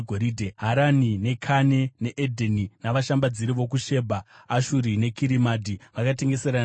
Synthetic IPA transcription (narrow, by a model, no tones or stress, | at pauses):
ɡʱoɾiːdʱeɦaɾanine̞kʰane̞ne̞ʔedʱeninaʋaʃambad͡ziɾiʋo̞k̬uʃe̞ːbʱaː | ʃuɾine̞kiɾimaːdʱiʋakate̞ŋɡe̞se̞ɾa